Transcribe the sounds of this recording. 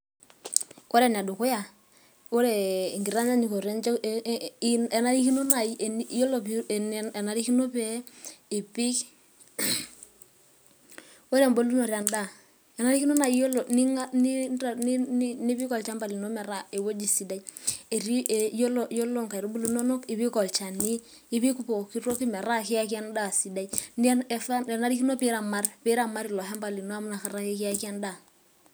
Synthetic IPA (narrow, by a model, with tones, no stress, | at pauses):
o˦ɾɛ˨n˨a˨dʊ˨kʊ˦ja˨ | o˦ɾe˨ŋɡi˨ɾa˦nd͡ʒa˦ni˨ko˨ɾɛ˦nt͡ʃ | ɛ˨na˦ɾi˦ki˦no˦na˨i˦˨jo˦lo˨pː | na˨ɾi˦ki˦no˦pɛ˦ɪ˨pi˦k | o˦ɾɛ˨mbo˦lu˦no˨ɾa˨nda˦˨ | ɛ˨na˦ɾi˦ki˦no˦na˨i˦jo˦lo˨ni˦ŋa˦ni˦˨ni˦ni˦bi˦kɔ˨lt͡ʃa˦mba˨li˨no˦mɛ˨ɾa˦e˨wo˦d͡ʒi˨si˨da˦i˦e˨ɾi˦˨jo˦lo˨jo˦lo˦ŋka˨i˨ɾo˦bu˦lu˦no˦no˦ki˨bi˦kɔ˨lt͡ʃa˨niː˦ | bi˦ku˦po˨ki˦ɾo˦ki˦mɛ˨ɾa˦ki˦a˦ka˦n˦da˦˨si˨da˦i˦n˦ɛ˨fa˦ɛ˨na˦ɾi˦ki˦no˦pi˦ɾa˨ma˦rpi˦ɾa˨ma˦ɾi˨lɔ˨ɦɛ˦mba˨li˨no˦a˦mu˦na˨ka˨ɾa˦ke˦ki˦a˦ka˦nda˨